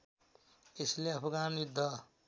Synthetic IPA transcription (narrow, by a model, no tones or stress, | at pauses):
esleʌpʰɡaːnjid̪ʱːʌ